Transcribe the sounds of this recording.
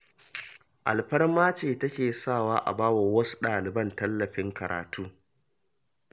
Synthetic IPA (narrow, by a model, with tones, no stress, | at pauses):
ʔa̰˨lɸɐ˦rmaː˦t͡ʃeː˨tɐ˦kʲeː˨saː˦˨waː˦ʔa̰˨baː˦wɐ˨wɐ˦su̥˦ɗaː˨lɪ˨bɐ˦˨ntɐ˦lːɐ˨ɸɪ˦ŋkɐ˨ɾʔa̰ː˨tuː˦